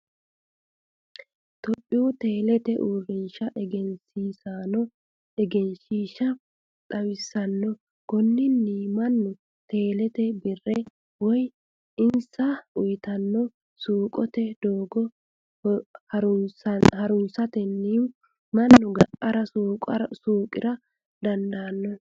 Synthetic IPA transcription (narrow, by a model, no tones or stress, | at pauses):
t̪ɔpʼːɪʊt̪e̞ːlɛt̪ɛʔuːrɪnʃɐʔɛɡɛnsiːsaːnɔ | ɛɡɛnʃiːʃɐ | t̪ʼɐwɪsːɐnːɔ | ɡ̥ɔnːɪnːiːmɐnːʊ | t̪e̞ːlɛt̪ɛbɪrːɛ | wɔj | ɪnsɐʊjt̪ɐnːɔ | suːkʼɔt̪ɛd̪oːɡɔ | hɐʊsɐhɐɾʊnsɐt̪ɛnːiː | mɐnːʊɡɐʔʼɐɾɐsuːkʼɐsuːkʼɪɾɐ | d̪ɐnd̪ɐːnːɔ